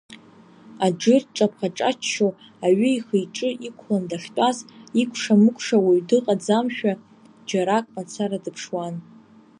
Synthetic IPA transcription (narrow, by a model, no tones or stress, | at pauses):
ad͡ʒɨrʈ͡ʂʼapʰχaʈ͡ʂʼat͡ʃʰʃo | aɥɨiχejʈ͡ʂʼɨʔikʷʰlandaʂtʷʼazikʷʰʂamɨkʷʰʼʂawaɥdɨqʼad͡zamʃᶣa | d͡ʒaɾakʼmat͡sʰaɾadɨpʰʂwan